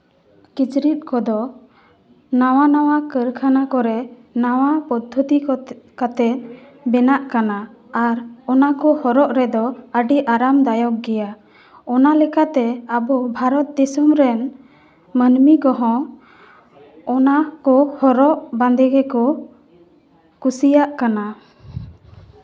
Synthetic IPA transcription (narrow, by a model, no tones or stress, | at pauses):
kit͡ʃɾit̪̚ˀkɔd̪ɔ | nawanawakəɾkʰanakɔɾɛ | nawapɔd̪ʱːət̪ikɔkat̪ɛ | bɛnaʔkanaː | ɾɔnakɔhɔɾɔʔɾɛd̪ɔəɖiʔaɾamd̪ajɔk̚ɡɛja | ɔnalɛkat̪ɛabɔbʱaɾɔt̪̚d̪isɔmɾɛn | mənmikɔɦɔ̃ | ɔnakɔhɔɾɔʔbãnd̪ɛɡɛkɔ | kusijaʔkana